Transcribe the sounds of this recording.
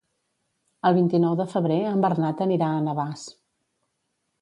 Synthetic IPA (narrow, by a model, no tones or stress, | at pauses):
əlˠβint̪inɔwðəfəβɾeəmbərnat̪əniɾaənəβas